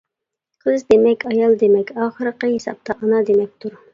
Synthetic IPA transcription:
qʰəzd̪emɛkʲɑjɑlˠd̪emɛkʲɑːχəɾəqəɦesɑ̰p̚t̪ʰɑʔɑnɑd̪emɛk̚ʲt̪ʰuɾ

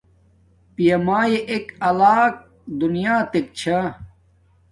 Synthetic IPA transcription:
pijɐmaːjeʔekɐlaːk̚ | d̪unijaːt̪ek̚t͡ɕʰa

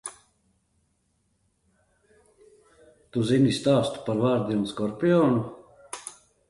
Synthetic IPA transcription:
t̪uzinist̪aːst̪paɾvaːɾd̪ijonskoɾpijon

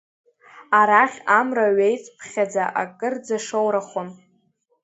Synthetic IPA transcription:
aɾaχʲamraɥejt͡sʼpʰχʲad͡zaʔa̰kʼɨrd͡zaʂowɾaχon

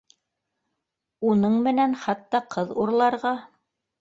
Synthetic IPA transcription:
unɤɴmɘ̆nænχɑt̪ːɑqʰɤðuɾlˠɑɾʁɑ

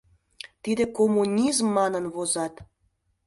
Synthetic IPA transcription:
t̪id̪ekomunʲizmːɑnənβozɑt̪

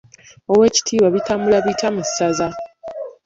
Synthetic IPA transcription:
owe̞ːci̥tʰiːβaβitamulaβitʰamusaza

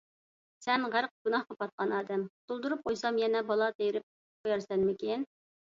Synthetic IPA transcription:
sɛnʁæɾq̚ɡ̥unɑhqɑpɑt̪̚qʰɑnɑːd̪ɛmt̪ʰulˠd̪uɾup̚qʰojsɑmjɛnɛbɑlˠɑt̪ejɪɾɪp̚ | qʰojɑɾsɛnmɪkʲen

